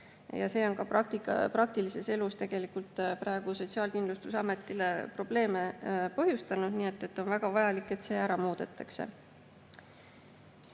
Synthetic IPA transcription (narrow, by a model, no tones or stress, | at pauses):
jɑ̰se̞ːo̞nkɑpɑkt̪ikɑ̰prɑk̚t̪ilise̞se̞lust̪eɡ̥e̞likult̪ˑpɾɑe̞ɡ̥uso̞t̪ʲsiɑːlkind̪lust̪usɑme̞t̪ːˑile̞pro̞b̥le̞ːme̞pɤɦjust̪ɑnud̪̥niːe̞t̪ˑːe̞t̪ːˑo̞nvæɡ̥ɑvɑjɑlikːˑe̞t̪se̞ːæɾɑmuːd̪̥et̪ːˑɑkse̞̰